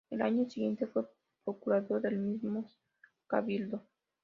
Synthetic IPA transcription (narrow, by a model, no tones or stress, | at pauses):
elaɲosiɣje̞nt̪e̞fwe̞ | pɾokuɾaðoɾðelmizmo | kaβild̪o